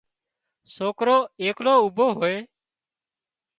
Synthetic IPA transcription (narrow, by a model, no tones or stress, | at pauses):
soːkɾoːeːkloːubʱoːɦoːeː